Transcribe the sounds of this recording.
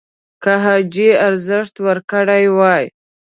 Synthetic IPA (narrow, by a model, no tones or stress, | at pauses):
kaɦɑd͡ʒiaɾzəʂt̪wəɾkəɽajwɑj